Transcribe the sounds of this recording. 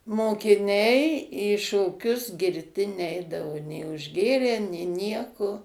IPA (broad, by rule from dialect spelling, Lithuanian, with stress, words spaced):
moːkʲɪˈnʲɛɪ iː ʃoːˈkʲʊs ɡʲɪrʲˈtʲɪ ˈnʲɛɪdɐʋoː nʲeː ʊʒʲˈɡʲeːrʲæː nʲeː ˈnʲiɛkoː